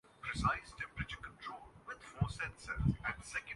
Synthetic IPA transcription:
pɾɪsaɪsʈʰɛ̃mpɾɨt͡ʃəkə̃nʈʰɾoːlʋɪd̪fɔːsɛ̃nsə̰ɾzæ̃ʈsɛkə̃

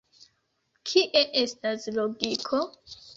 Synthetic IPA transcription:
kʰiʔeʔe̞stasloɡikʰo̞

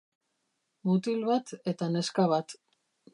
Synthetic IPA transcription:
mut̪ilβat̪e̞t̪ane̞skaβat̪

